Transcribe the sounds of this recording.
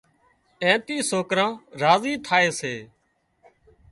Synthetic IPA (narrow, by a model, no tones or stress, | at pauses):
ẽːt̪iːsoːkɾãːɾaːziːt̪ʰaːeːseː